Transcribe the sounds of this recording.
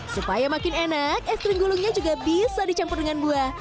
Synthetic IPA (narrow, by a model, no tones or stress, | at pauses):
supajamakɪnenak̚ɛst̪ɾɪŋɡulʊŋɲad͡ʒuɡabisadit͡ʃampɔrdəŋanbuah